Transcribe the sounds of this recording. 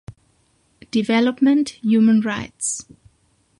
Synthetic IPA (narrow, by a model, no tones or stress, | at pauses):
d̥ivɛləpmə̃ntjuːmə̃nɹaɪts